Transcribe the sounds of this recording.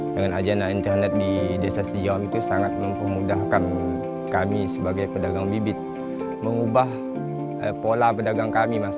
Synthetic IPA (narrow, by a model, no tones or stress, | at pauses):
dəŋanad͡ʒandaint̪ərnɛt̪̚didiasasəd͡ʒiamit̪usaŋat̪̚məmpəmudahkan | kamisəbaɡajpədaɡaŋbibɪt̪̚ | məŋubah | əpolapədaɡaŋkamima